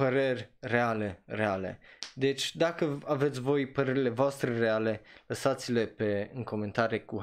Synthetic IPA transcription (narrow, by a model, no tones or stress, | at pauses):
pəɾerʲre̞ale̞reale̞̰d̪e̞t͡ʃʲd̪akəavet̪sʲvo̞jpəɾe̞ɾile̞voast̪ɾereale̞ləsat̪sile̞pe̞ɨŋko̞ment̪aɾjeku